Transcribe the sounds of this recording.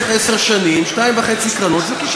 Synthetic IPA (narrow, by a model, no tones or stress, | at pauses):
ɛseʁʃanimʃtaimvaχɛt͡sikʁanot̪zɛkiʃ